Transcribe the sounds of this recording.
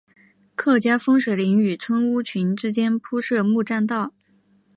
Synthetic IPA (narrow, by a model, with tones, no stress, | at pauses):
kʰɤ˥˩t͡ɕja˥fɤ˥ŋʂwe˨˩ɪli˧˥ŋy˨˩t͡sʰwə˥ŋu˥t͡ɕʰy˧˥nʈ͡ʂɻ̩˥t͡ɕjɛ˥npʰu˥ʂɤ˥˧mu˥˧ʈ͡ʂa˥˧nt̪ɑ˥˩ʊ